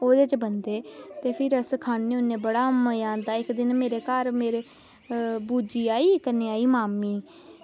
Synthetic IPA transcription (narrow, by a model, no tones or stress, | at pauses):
oːd̪eːt͡ʃbənd̪eːt̪eːpʰɪɾəskʰaːneːʊnːẽːbəɽaːməjãːnd̪aːɪkd̪ɪnmeːɾeːkaːɾmeːɾeː | buːd͡ʒiːaːiːkəneːaːiːmaːmiː